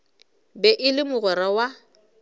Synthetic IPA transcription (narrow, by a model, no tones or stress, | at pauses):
bɛʔɪlɪmʊɣɔɾawa